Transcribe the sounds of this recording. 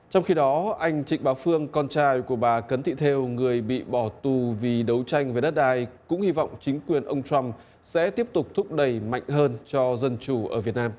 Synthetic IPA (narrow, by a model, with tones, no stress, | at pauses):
t͡ɕɔ˧wŋ͡mxi˧ɗɔ˨˦ʔa˧jŋ̟t͡ɕḭ˧˨ŋ̟ɓaː˨˦wfɨ˧əŋkɔ˧nt͡ɕaː˧jku˧˩əɓaː˨˩kə˨˦nt̪ʰḭ˧˨t̪ʰe˧wŋɨ˨˩əjɓḭ˧˨ɓɔ˧˩t̪u˨˩vi˨˩ɗə˨˦wt͡ɕa˧jŋ̟ve˨˩ɗə˦˥t̚ɗaː˧˩jkʊ̰˧˥ŋ͡mhi˧vɔ̰˧˨wŋ͡mt͡ɕï˨˦ŋ̟kwi˨˩ənʔə˧wŋ͡mt͡ɕwa˧m | sɛ̰˧˥t̪i˦˥əp̚t̪ʊ˨˩k͡p̚t̪ʰʊ˦˥k͡p̚ɗə˧˩jma̰˧˨jŋ̟ɦəː˧nt͡ɕɔ˧zə˧nt͡ɕu˧˩ʔəː˧˩vi˨˩ət̚naː˧m